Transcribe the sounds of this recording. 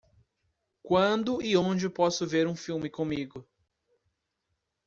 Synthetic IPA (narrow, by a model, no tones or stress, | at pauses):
kwɐ̃d̪ʊɪõd͡ʒɪpɔsʊveɾũfiwmɪkõmiɡʊ